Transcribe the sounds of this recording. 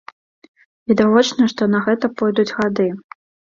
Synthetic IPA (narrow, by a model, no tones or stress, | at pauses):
vʲid̪avɔt͡ʂnɐʂt̪ɔnɐɣɛt̪ɐpɔjd̪ud͡zʲɣad̪ɨ